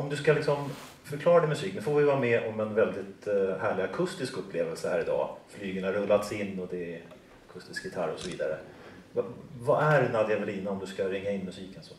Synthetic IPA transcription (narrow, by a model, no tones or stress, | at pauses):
ɔmd̪ɵskalɪksɔm | fœɾkʰlɑːɾad̪ɛmɵsiːknʉfoːvɪjvɑːɾamɛʔɔmɛnvɛld̪ɪt̪hæːɭɪakʰɵst̪ɪskɵpʰːleːvəlsəhæ̰ːɾɪd̪ɑ̰ːflyːɡəɳaɾɵlːat̪sɪnːɔd̪ɛ | akʰɵst̪ɪskjɪt̪ʰaɾɔsɔviːd̪aɾə | vavaʔæɾnad̪javɛliːnaɔmd̪ɵskaɾɪŋːaɪnːmɵsiːkənsɔ